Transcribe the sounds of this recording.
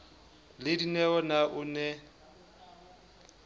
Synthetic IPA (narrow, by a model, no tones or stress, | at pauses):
lɪdinɛɔnaʔʊnɛ